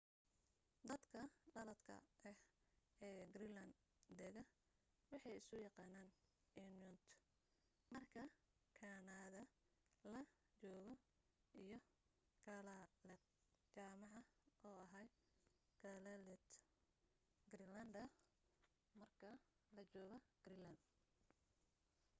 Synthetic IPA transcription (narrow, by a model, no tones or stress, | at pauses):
d̪ɐd̪kʰɐɖɐlɐd̪kʰɐ̰ɛhɛːɡrilɐnd̪ | d̪ɛɣɐ | wɑħɑjɪsʊjɑqɑːnaːn | ɛnjʊnt̪ʰ | mɐrkʰɐ | kʰaːnaːðɐ | lɐ | t͡ʃɔːɣɔ | ijɞ | ɡ̥ɐlɐlɛt̪ | t͡ʃaːmɑʕɑɔːɐɦɐjɡ̥alɐlɛt̪ | ɡɾilɐnd̪ɐ | mɐrkʰɐlɐt͡ʃɔːɣɐɡ̥rilɐnd̪